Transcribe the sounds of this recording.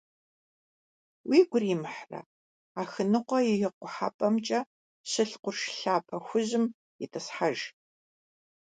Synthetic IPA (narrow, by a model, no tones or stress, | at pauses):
wiːɡʷʊriːmħrɐ̰ | aːxɨnɨqʷɔjɪjɪqʷʊħa̰ːpʼɐmt͡ʃʼɐ | ɕɨɬqʷʊrʂɬaːpʰʼɐxʷʊʑɪm | jɪtʰɐsħaʒ